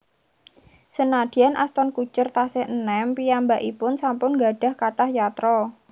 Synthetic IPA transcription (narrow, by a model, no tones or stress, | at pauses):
sənad̪̥i̤anʔa̰st̪ɔnkut͡ʃʊrt̪asɪhnɛmpijambaʔipʊnsampʊnɡa̤ɖ̥a̤hkaʈahjat̪ɾɔ